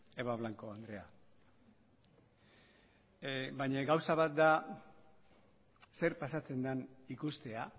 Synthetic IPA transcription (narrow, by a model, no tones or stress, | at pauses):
eβaβlaŋko̞and̪ɾe̞a | bajɲaɡawsaβat̪̚d̪a | se̞ɾpasat͡se̞nd̪anikust̪e̞a